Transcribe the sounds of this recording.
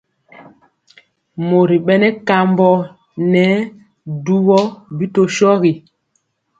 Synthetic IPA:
mo˨ɾi˨ɓɛ˦nɛ˦ka˨mbɔ˦ | nɛ˨˦ | du˦bɔ˦bi˦to˦ʃɔ˦ɣi˨

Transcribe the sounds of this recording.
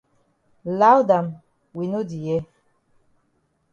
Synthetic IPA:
la˦wda˨m | wi˨no˦di˨jɛ˦

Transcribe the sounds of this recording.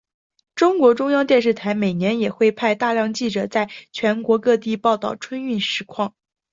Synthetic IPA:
ʈ͡ʂʊ˥ŋkwɔ˧˥ʈ͡ʂʊ˥ŋjɑ˥ŋt̪jɛ˥˧nʂ̬ɻ̩˥˩t̪ʰa˧˥ɪme˨˩ɪnjɛ˧˥njɛ˨˩xwe˥˧ɪpʰa˥˧ɪt̪a˥˧ljɑ˥˧ŋt͡ɕi˥˩ʈ͡ʂɤ˨˩t͡sa˥˩ɪt͡ɕʰɥɛ˧˥nkwɔ˧˥kɤ˥˧t̪i˥˧pɑ˥˧ʊt̪ɑ˥˩ʊʈ͡ʂʰwə˥ny˥˩nʂɻ̩˧˥kʰwɑ˥˩ŋ

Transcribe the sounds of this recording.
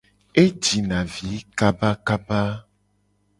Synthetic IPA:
e˦d͡ʒi˨nã˨vi˨˦ka˦ba˦ka˦ba˦

